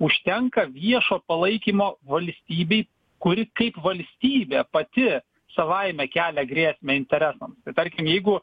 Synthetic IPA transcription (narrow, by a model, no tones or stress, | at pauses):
ʊʃʲt̪ʲɛŋkɐʋʲiɛʃoːpɐlˠɐɪkʲimoːʋɐlʲsʲt̪ʲiːbʲɛɪ | kʊɾʲɪkɐɪpʋɐlʲsʲt̪ʲiːbʲeːpɐt̪ʲɪ | sɐʋɐɪmʲɛkʲæːlʲɛɡɾʲiɛsʲmʲɛɪnʲt̪ʲɛɾʲæsɐmst̪ɐɪt̪ɐɾʲkʲɪmjɛɪɡʊ